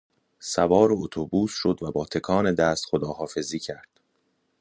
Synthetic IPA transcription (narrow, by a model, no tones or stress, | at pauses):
sævɒːɾoot̪ʰobuːsʃo̞d̪væbɒːt̪ʰe̞kʰɒːne̞d̪æːst̪xod̪ɒːɦɒːfe̞ziːcʰæɾd̪̥